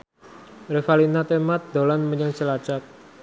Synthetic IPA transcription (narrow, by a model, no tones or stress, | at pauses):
refalinat̪emat̪̚d̪olanməɲəŋt͡ʃəlat͡ʃat̪̚